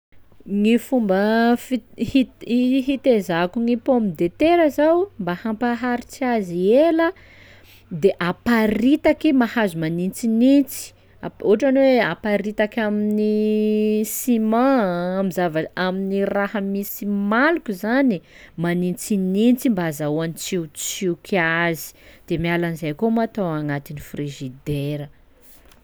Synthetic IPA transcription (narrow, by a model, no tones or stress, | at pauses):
ŋifumbəfihit̪ɦit̪ezakuŋipomid̪et̪eɾəzawmbahampaɦaɾit͡siazielə | d̪eʔapaɾit̪akimahazumanint͡sinint͡si̥ | a̰uɦaʈ͡ʂanweapaɾit̪akʲamini | simãamizavaaminirahamisimalukuzani | manint͡sinint͡simbaazauanit͡sit͡sikazi̥d̪̥emialanizajkomat̪oaŋat̪inifriʒid̪eɾə